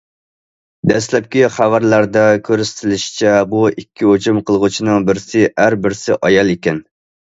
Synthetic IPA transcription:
d̪ɛslɛp̚kʲiχævæɾlæɾd̪ɛkʲʰøɾyst̪ʰɪlɪʃi̥t͡ʃʰɛbuikʲːiɦot͡ʃumqʰəlˠʁʊt͡ʃʰinɨŋbɪɾɪsɪæɾbɪɾsɪʔɑjɑlˠekʲɛn

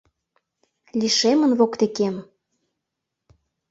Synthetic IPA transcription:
lʲiʃemə̆nβokt̪ekem

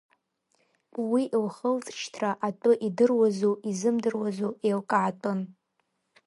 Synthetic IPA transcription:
wiʔlχəlt͡sʼt͡ʃʰtʰraʔatʼʊʔidɨrwazoʔizɨmdɨrwazoelkʼaːtʼɨn

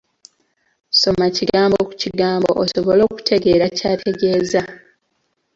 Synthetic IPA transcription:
so̞maciɡaːmbo̞ku̥ciɡaːmbo̞̰ʔːsoβo̞lo̞ːku̥tʰe̞ɡe̞ːɾacaːtʰe̞ɡe̞ːza

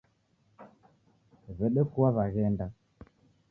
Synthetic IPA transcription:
βɛɗɛkuaβaɣɛnda

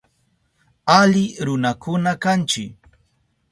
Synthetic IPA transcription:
alɪɾʊnakʊnakant͡ʃɪk

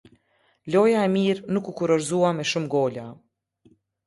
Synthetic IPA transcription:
lɔjaɛmiɾnukukuɾɔɾzuamɛʃumɡɔla

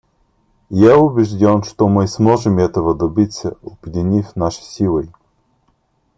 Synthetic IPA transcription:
jaʊbʲɛʒd̪ʲɔnʃt̪oməjsmɔʒɛmɛt̪əvɐd̪ɐbit̪sʲəobʲd̪ʲinʲifnaʃi̥sʲilˠəj

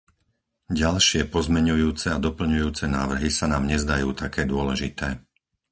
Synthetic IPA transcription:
ɟalʃɪɛpɔzmɛɲujuːt͡sɛad̪ɔpl̩ɲujuːt͡sɛnaːʋr̩ɦisanaːmɲɛzd̪ajuːt̪ʰakʰɛːd̪ʊɔlɛʒit̪ɛː

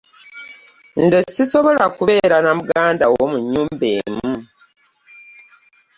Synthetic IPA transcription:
nzesiso̞βo̞lakuβe̞ːɾanamuɡaːndawomuɲːuːmbe̞ːmu

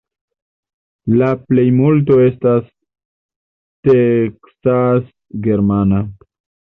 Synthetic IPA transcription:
laplejmult̬o̞e̞stas | teksas | ɡe̞ɾmana

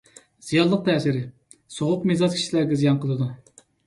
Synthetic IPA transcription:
z̥ijɑnˠlˠəq̚t̪ʰɛːsiɾɪ | soʁʊqmizɑzkʰʲi̥ʃilæɾɡʲɛzijɑnqʰəlˠɨd̪u

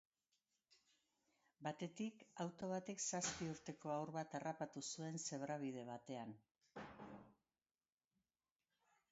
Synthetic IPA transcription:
bat̪e̞t̪ikawt̪o̞β̞at̪e̞ksaspiuɾt̪e̞ko̞awɾβat̪arapat̪usue̞nse̞βɾaβ̞ið̞e̞β̞at̪e̞an

